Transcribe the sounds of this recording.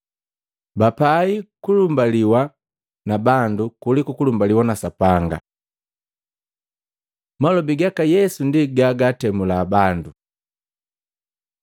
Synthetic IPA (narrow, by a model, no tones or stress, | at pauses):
bapaikulumbaliwa | nabandukulikukulumbaliwanasapaŋɡa̰ | malɔbiɡakajɛsundiɡaɡatɛmulaːbandu